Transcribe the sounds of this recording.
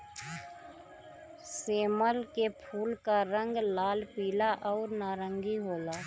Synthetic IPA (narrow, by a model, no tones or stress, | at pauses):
seːməlkepʰuːlkaɾə̃ŋɡlaːlpiːlaʔɔːɾnaːɾə̃ŋɡiɦoːlaː